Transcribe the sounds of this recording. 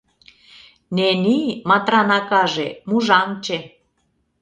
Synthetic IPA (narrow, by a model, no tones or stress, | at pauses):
nenimɑt̪ɾɑnɑkɑʒemuʒɑmt͡ɕe